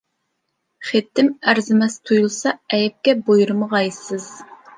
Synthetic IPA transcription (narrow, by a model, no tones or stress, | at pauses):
χet̪ʰːɪmæɾzɪmɛst̪ʰujulˠsɑɛjɛp̚kʲɛbojuɾɨmɨʁɑjsɨz̥